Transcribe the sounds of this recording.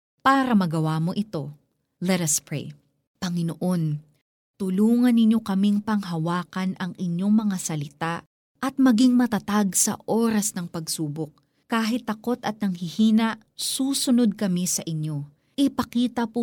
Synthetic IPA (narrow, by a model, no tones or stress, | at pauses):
paːɾɐmɐɡɐwamo̞ʔɪt̪o̞ | lɛt̪ɐspɹḛj | pɐŋɪnoʔo̞n | t̪ʊluːŋɐnːɪɲo̞kɐmiŋpɐŋɦɐwaːkɐnʔɐŋɪɲjo̞ŋmɐŋasɐlɪt̪aʔ | ʔɐt̪̚mɐɡiŋmɐt̪ɐt̪aɡsɐ̰ʔo̞ːɾɐsnɐŋpɐɡsuːbok̚ | kaːɦɪt̪ːɐko̞t̪ɐt̪̚nɐŋhɪhiːnɐʔsuːsʊno̞d̪̚kɐmisɐʔɪɲjo̞ | ʔɪpɐkiːt̪ɐpʊ